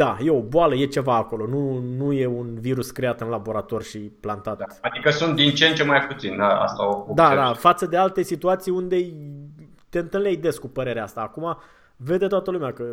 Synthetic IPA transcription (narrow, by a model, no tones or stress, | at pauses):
d̪ajeo̞boaləje̞t͡ʃe̞vaːko̞lo̞nunuje̞unviɾuskɾeat̪ɨnlabo̞ɾat̪o̞rʲʃiplant̪at̪ad̪ikəsunt̪̚d̪int͡ʃent͡ʃemajput̪sind̪aa̰st̪aood̪add̪afat̪səd̪ealt̪e̞sit̪uat̪sijund̪e̞j | t̪e̞ɨnt̪ɨnlejd̪e̞skupəɾe̞ɾeaast̪aːkuma | ve̞d̪e̞t̪oat̪əlumeakə